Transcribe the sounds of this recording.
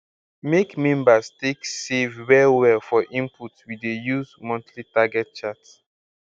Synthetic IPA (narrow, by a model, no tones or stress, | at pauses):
mekmɛ̃mbasteksevwɛiwɛlfɔʔĩmputswidejuzmɔ̃ntʰlitaɡɛt̚t͡ʃats